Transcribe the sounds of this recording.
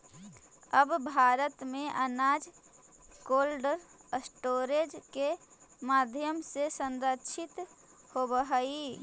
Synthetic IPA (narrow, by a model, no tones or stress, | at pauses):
əbbʱaːɾət̪mẽʔənaːd͡ʒ | koːlɖəɾəsʈoːɾed͡ʒkemaːd̪ʱjəmsesə̃nd̪əʃʰɪt̪ | hobəɦəi